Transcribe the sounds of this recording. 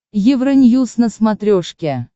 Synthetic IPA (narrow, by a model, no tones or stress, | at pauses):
jɪvɾənʲjusnəsmat̪ɾʲoʂkʲe